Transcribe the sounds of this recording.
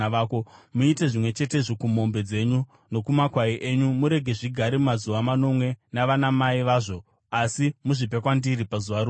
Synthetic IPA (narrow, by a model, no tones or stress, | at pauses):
aːkomuite̞ʐimwe̞t͡ʃe̞te̞ʐokumo̞mbe̞d͡ze̞ɲu | no̞kumakwaiʔe̞ɲumuɾe̞ɡʱe̞ʐiɡʱaɾimumazuʋamano̞mwe̞naʋanamaiʋaʐo̞ | asimuʐip̬e̞kwandiɾipazuʋaɾuː